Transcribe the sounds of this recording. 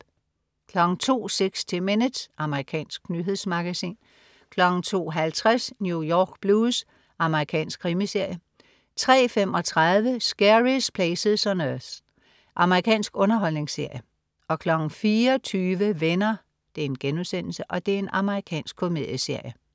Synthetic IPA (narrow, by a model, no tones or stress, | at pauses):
kʰlɒ̽ɡ̥ŋ̩t͡sʰo̝̰ːseɡ̥st͡sʰe̝menə̥sʔɑ̈məʁikʰɛ̰ːnsɡ̥nyɦe̝ð̰ˠsmɑ̈ɡ̥æsḭːn | kʰlɒ̽ɡ̥n̩t͡sʰo̝̰ːɦælt͡sʰʁasnjujɒːɡ̥b̥luːs | ʔɑ̈məʁikʰɛ̰ːnsɡ̥kʰːʁimise̝ɐ̰jə | t͡sʰʁɛ̰ːfem̰ɒ̽t͡sʰʁaðˠʋəsɡ̥æʁispʰlɛːseð̩ˠsɒnøθ | ʔɑ̈məʁikʰɛ̰ːnsɡ̥ɔ̽nɐɦɒ̽l̰ne̝ŋsːe̝ɐ̰jə | ɒ̽kʰlɒ̽ɡ̥n̩fiːɐɒt͡sʰyːʋəʋenɐ | d̥e̝æɐe̝nɡ̥enusen̰l̩səʔɒ̽d̥e̝æɐe̝nʔɑ̈məʁikʰɛ̰ːnsɡ̥kʰo̝me̝ðˠjəse̝ɐ̰jə